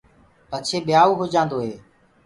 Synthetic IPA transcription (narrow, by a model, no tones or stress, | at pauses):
pət͡ʃʰeːɓjaːuːɦod͡ʒãːnd̪oːɦeː